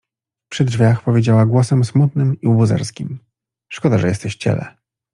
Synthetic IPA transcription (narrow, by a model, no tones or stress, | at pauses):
pʂɘdʐvʲjaxpɔvʲjed͡ʑawaɡwɔsɛmsmut̪nɘmiubuzɛ̰ɾskʲim | ʂkɔd̪aʐɛjɛst̪ɛɕt͡ɕɛ̰lɛ̰